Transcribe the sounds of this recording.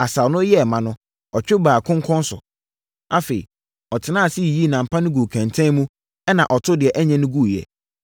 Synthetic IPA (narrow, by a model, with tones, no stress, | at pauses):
a˨sa˨nʊ̃˦jɛ˦˨mã˨nʊ̃˦ | ɔ˨t͡ɕᶣɪ˦baː˨kʰʊ̃˦ŋkʰɔ̃˦n˦sʊ̰˨ | a˦fe˨ḭ˨ | ɔ˨tʰɪ˨nãː˦˨si˦˨ji˦˨nã˨m̩˨pʰã˦nʊ̃˦ɡu˨kʰã˨ntʰɛ̃˦nmũ˦ | ɛ˦nã˨ʔɔ˨tʰʊ˦dɪ˨ɛ˨ʔɛ˦ɲɛ̃˦nʊ̃˦ɡu˦˨jɛ̰˨